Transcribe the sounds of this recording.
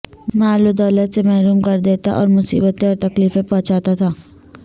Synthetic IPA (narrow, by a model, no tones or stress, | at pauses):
maːlud̪ɔːlət̪semɛɦɾuːmkɐɾd̪eːt̪a̰ʔɔ̰ːɾmʊsḭːbət̪ẽɔːɾt̪ɐkliːfẽpɔ̃ɦʊ̃t͡ʃaːt̪at̪ʰaː